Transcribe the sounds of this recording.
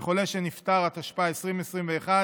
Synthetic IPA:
χo̞le̞ʃenift̪aʁat̪aʃpaaesʁimesʁimveːχa

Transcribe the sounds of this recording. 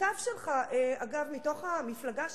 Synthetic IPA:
avʃelχaʔeaɡavmito̞χamiflaɡa

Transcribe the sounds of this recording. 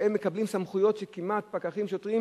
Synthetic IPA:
emːekablimsamχujo̞t̪ʃekimat̪̚pakaχimʃot̪ʁim

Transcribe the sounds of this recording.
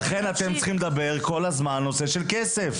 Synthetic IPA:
aχe̞nat̪emt͡sχimled̪abe̞ʁko̞lazmanːo̞seʃe̞lkesef

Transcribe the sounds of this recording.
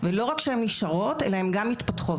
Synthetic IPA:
velo̞ʁakʃehemniʃaʁo̞te̞̰laemɡamːit̪patχot

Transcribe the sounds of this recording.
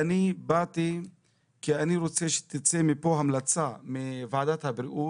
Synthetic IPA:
anibat̪i | kianiɾot͡seʃe̥t̪it͡semipoɦamlat͡samivaʕad̪at̪habɾiʔu

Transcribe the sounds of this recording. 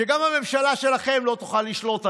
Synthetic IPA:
eɡamhame̞mʃalaʃe̞laχe̞mlo̞t̪u̥χalːiʃlo̞t̪a

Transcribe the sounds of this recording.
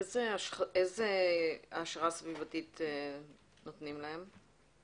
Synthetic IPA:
ezeaezeaʃʁasvivatite | notnimlahe̞m

